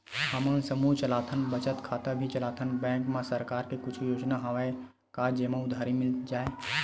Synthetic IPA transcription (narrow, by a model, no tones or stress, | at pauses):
həmənsəmuɦt͡ʃəlaːt̪ʰənbət͡ʃət̪kʰaːt̪abʱit͡ʃəlaːt̪ʰənbɛ̃ːŋkmãsəɾkaːɾkekʊt͡ʃʰujoːd͡ʒnaɦəʋae | kad͡ʒemãʊd̪ʱaːɾimɪld͡ʒaːe